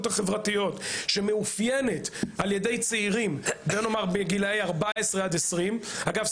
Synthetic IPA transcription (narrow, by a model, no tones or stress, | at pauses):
thaχevʁatijo̞t̪ʃe̞meufjene̞talje̞d̪e̞jt͡seiʁimbeno̞maʁbeɡilejaʁbaesʁead̪esʁimhaɡav